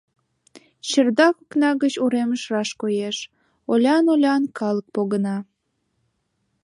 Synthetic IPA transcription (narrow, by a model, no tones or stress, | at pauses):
ɕərd̪ɑkuknɑɣət͡ɕuɾeməʃrɑʃkojeʃ | olʲɑnolʲɑnkɑlək̚poɣənɑ